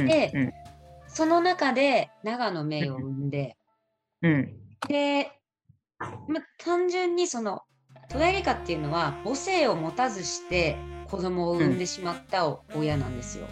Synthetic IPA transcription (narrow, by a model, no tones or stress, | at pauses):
d̪e̞ | so̞no̞nakad̪e̞naɡano̞me̞ːo̞ɯ̟̃nd̪e̞ | d̪̥e̞ | mat̪ʰãɲ̟d͡ʑɨ̃ɲ̟ːiso̞no̞ | t̪o̞ɾaɾʲikat̪ːe̞iɯ̟no̞βabo̞se̞ːo̞mo̞t̪azɨɕi̥t̪e̞kʰo̞d̪o̞mo̞ːɯ̟̃nd̪e̞ɕimat̪ːaojanã̰nd̪e̞sɨ̰jo̰